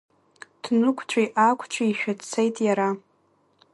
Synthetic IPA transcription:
tʰnɨkʷʰt͡ʃʷʰʼiʔakʷʰt͡ʃʷʰiiʃᶣatt͡sʰejtʼjaɾa

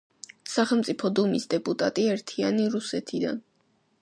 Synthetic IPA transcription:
saχɛlˠmt̪sʼipʰɔd̪umisd̪ɛpʼut̪ʼat̪ʼiɛɾt̪ʰianiɾusɛt̪ʰid̪a̰n

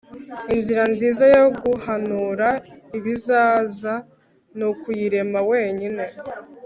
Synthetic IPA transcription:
inziɾanziːzajo̞ɡuhanuːɾaiβizaːza | nukujiɾe̞mawe̞ːɲine̞

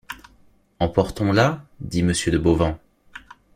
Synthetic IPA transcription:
ɑ̃pɔʁt̪ɔ̃lad̪iməsjød̪əbovɑ̃

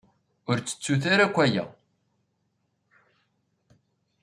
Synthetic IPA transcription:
ʊɾt͡sːə̥t͡sːuθaɾakʷːæjæ̰

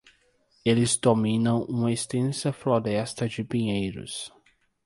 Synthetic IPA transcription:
elɪzd̪omĩnɐ̃w̃ũmɐest̪ẽsɐfloɾɛst̪ɐd͡ʒɪpĩɲejɾʊ̰s

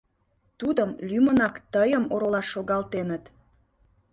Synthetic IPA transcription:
t̪ud̪əmlymənɑkt̪əjəmoɾolɑʃːoɣɑlt̪enət̪

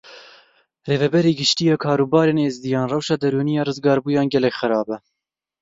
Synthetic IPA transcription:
reːvɛbɛɾiːɡɪʃt̪ijɑːkʰɑːɾuːbɑːɾeːneːzd̪ijɑːnrɑwʃɑːd̪ɛɾuːnijɑːrɨzɡɑːɾbuːjɑːnɡʲɛlɛkʲxɨɾɑːbɛ

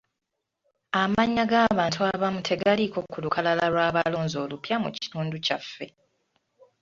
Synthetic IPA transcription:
amaɲːaɡaːβaːntʰuaβamutʰe̞ɡaliko̞kːulukʰalalalwaːβalo̞ːnzo̞ːlupjamṵci̥tuːnducafːe̞

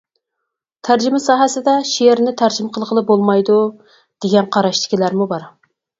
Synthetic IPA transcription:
t̪ʰæɾd͡ʒɪmɪsɑːɦɛsɪd̪ɛʃeeɾnɪt̪ʰæɾd͡ʒmqʰəlˠʁəlˠɨp̚bolˠmɑjd̪u | d̪̥eɡʲɛnqʰɑɾɑʃt̪ʰɪ̥kʲilæɾmubɑɾ

